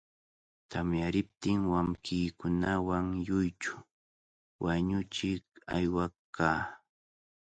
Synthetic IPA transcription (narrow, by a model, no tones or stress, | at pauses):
t̪ʰamjaɾɪp̚t̪ɪŋwamkɪːkʊnawaŋjʊjt͡ʃʊ̥ | waɲʊt͡ʃɪka̰jwakaː